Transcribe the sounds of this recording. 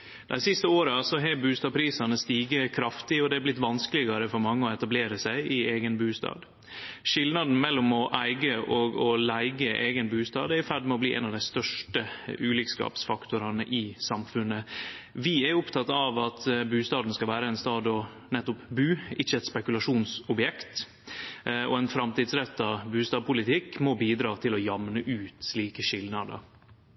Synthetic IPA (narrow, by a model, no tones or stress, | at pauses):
d̪æɪsɪst̪əoːɾəɑsɔɦɛbʉːst̪ɑːpʰɾiːsɑnəst̪iːɡəkʰɾɑft̪ɪɔd̪ɛæblɪt̪ːʋɑnskəlɪɡɑɾəfɔɾmɑŋːəɔɛt̪ɑbleːɾəsæɪʔɪeːɡənbʉːst̪ɑ̰ːd̪ | ʂɪlnɑd̪n̩mɛlːʊmɔʔæɪɡəʔɔɡɔlæɪɡəʔeːɡənbʉːst̪ɑ̰ːd̪æɾfæɖmɛɔbliːʔɛ̰nɑʋd̪æɪst̪œʂʈəʉːlɪkskɑ̰ːpsfɑkt̪ʊɾɑnəʔɪsɑmfʉnːəʋɪæɾʊpt̪ʰɑt̪ːɑʋɑt̪bʉːst̪ɑːd̪n̩skɑlʋæːɾəɛnst̪ɑːd̪ɔ | nɛt̪ːʊpbʉːɪçəɛt̪spɛkʉlɑʂuːnsɔbjɛkt̪ | ɔ̰ɛnfɾɑmt̪ɪːd̪sɾɛt̪ːɑbʉːst̪ɑːd̪̚pʰʊlɪt̪ʰɪkːmobiːd̪ɾɑːt̪ʰɪlɔjɑmnəʔʉːt̪ʂliːkəʂɪlnɑd̪ə̰